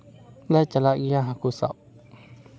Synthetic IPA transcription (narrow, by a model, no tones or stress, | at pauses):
lɛt͡ɕalaʔijaɦakʰusa̰ʔ